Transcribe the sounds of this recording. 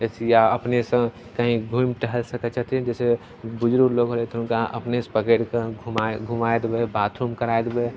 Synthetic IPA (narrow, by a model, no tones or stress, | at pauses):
sjaəpnesə̃ | kəɦĩɡʱumʈəɦəlsəkət͡ʃət̪ɛ̃d͡ʒɛːse | bʊd͡ʒɾuɾloːɡɦolet̪ːnkaə̰pnespəɡəɽkeɡʱumaɡʱumaed̪bebat̪ʰɾumkəɾaed̪be